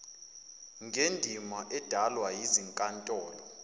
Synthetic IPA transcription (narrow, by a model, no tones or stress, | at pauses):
ŋɡʱendʱimaʔɛd̥ʱalwajiziŋkʼantʼɔːlɔ